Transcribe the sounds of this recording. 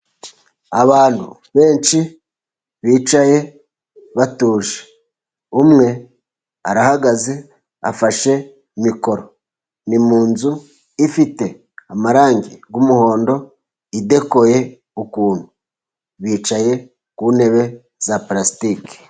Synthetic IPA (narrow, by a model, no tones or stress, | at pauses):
aβaːnhṵ | βe̞ːnʃi | βiːt͡ʃaje̞ | βatuːʒe̥ | umŋe̞ | aɾahaɡaze̞ | afaʃe̞ | imiko̞ɾo̞ | nimuːnzu | ifite̞ | amaɾaːŋɡiɡumuho̞ːndo̞ | ide̞ko̞je̞ | ukuːnhu | βiːt͡ʃaje̞ | kuːne̞βe̞ | zaplasi̥tike̥